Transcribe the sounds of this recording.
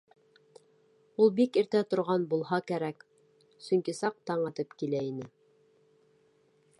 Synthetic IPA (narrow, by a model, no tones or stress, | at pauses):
ulˠbikiɾt̪æt̪ŏɾʁɑnbulˠɦɑkæɾæk | sɵŋkisɑq̚t̪ɑɴɑt̪ɤpkilæinɘ